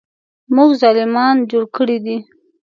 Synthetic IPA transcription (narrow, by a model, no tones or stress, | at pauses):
muɡzɑlimɑnd͡ʒoɽkəɽid̪i